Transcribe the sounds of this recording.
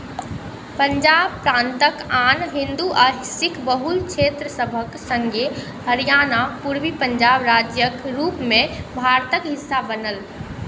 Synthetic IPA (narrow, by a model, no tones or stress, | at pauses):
pəɲd͡ʒaːbpɾãːnt̪əkanɦĩnd̪uʔaɦsɪkbəɦulkt͡ʃʰet̪ɾəsəbʱəksə̃ŋɡʱe | həɾijanapuɾʋipəɲd͡ʒabɾad͡ʒjəkɾuːpmẽbʱaɾt̪əkɦɪsːabənəl